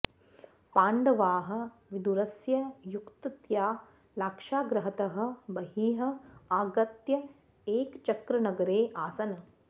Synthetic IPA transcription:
paːɳɖɐʋaːɦɐ̆ | ʋid̪uɾɐsjɐjukt̪ɐt̪jaː | laːkʂaːɡɾɐɦɐt̪ɐɦɐ̆bɐɦiːɦɐ̆aːɡɐt̪jɐ | eːkt͡ʃɐkɾɐnɐɡɐɾeːʔaːsɐnɐ

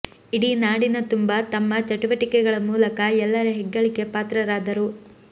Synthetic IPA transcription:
iɽinaːɽinɐt̪umbɐt̪ɐmːɐt͡ʃɐʈuʋɐʈikɛɡɐɭɐmuːlɐkɐɛlːɐɾuɦɛɡːɐɭike̞paːt̪ɾɐɾaːd̪ɐɾu

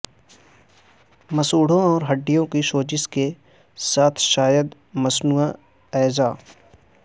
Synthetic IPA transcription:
mɐsuːɽ̤õɔːɾɦɐɖːijõkiʃoːd͡ʒɪske | saːt̪ʰʃaːjəd̪ | mɐsnuːa | ɛːzaː

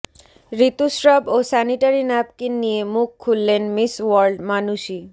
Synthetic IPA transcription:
ɾit̪uʃɾabosɛniʈaɾinɛbkenijemukʰːulːenmiswɔɾɖmanuʃi

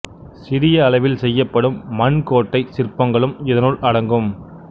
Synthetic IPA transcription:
sɪɾɪjɐːlɐɪʋɪlsɛjːɐpːɐɽɯmːɐnkoːʈːɐɪsɪrpːɐŋɡɐɭɯmɪðɐnʊɭʔɐɽɐŋɡɯm

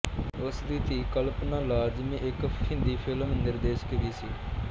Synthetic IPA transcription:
ʊsd̪iːt̪iːkəlpnãːlaːd͡ʒmĩːʔɪkpʰɪ̃nd̪iːpʰɪlmənd̪əɾd̪eːʃkəɾiːsiː

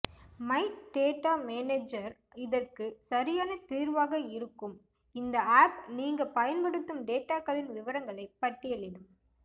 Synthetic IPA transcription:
mɐɪɖeːʈːaːmeːneːd͡ʒɐɾ | ɪðɐrkɯsɐɾɪjaːnɐt̪iːɾʋaːɣɐɪɾɯkːɯm | ɪnd̪ɐaːpniːŋɡɐpɐjɐnpɐɽɯt̪ːɯmɖeːʈːaːkɐðɪnʋɪʋɐɾɐŋɡɐɭɐɪpːɐʈːɪjɐlɪnɯm

